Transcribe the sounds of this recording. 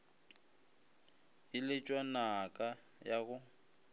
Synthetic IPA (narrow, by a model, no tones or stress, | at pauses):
ɪlɪt͡ʃʼwanakʼa | jaɣʊ